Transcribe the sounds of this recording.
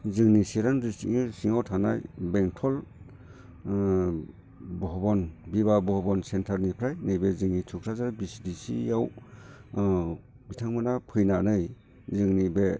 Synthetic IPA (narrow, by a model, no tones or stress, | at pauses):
zɯŋnisiɾanɾistḭŋɯsiŋawtʰanajbeŋtʰɔl | bɔɦɔbɔnbiβabɔɦɔbɔnsentʰaɾnipʰɾajnɯjbezɯŋnitʰukʰɾazaɾabisidisḭjaw | bitʰaŋmɯnapʰɯjnanɯj | zɯŋnibe